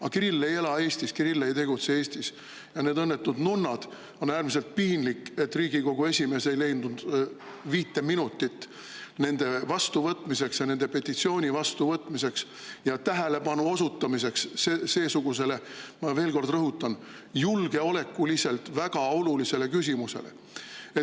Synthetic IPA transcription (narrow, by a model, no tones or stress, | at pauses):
ɑkiɾilːe̞je̞lɑe̞ːsʲt̪iskirilːejt̪e̞ɡut̪seeːsʲt̪is | jɑne̞ːd̪ɤnːet̪ːˑud̪nunːɑd̪̥ | o̞næːrmise̞lt̪̚piːnlikːˑet̪ːriːɡiko̞ɡue̞sʲime̞ːse̞jle̞jnd̪und̪̥ | viːt̪ːe̞minut̪ˑːit̪ːˑ | ne̞nd̪̥e̞vɑst̪uvɤt̪ːˑmise̞ksjɑne̞nd̪e̞pe̞t̪ʲːˑit̪sio̞ːnʲivɑst̪uvɤt̪ːˑmise̞ks | jɑt̪æɦæle̞pɑnuosut̪ːˑɑmis̬e̞ksese̞ːsuɡ̥us̬e̞le̞mɑve̞ːlko̞rd̪̥rɤɦut̪ːˑɑn | julɡ̥e̞o̞le̞kːuliselt̪væɡ̥ɑo̞lulise̞le̞kysʲimuse̞̰le̞̰ | e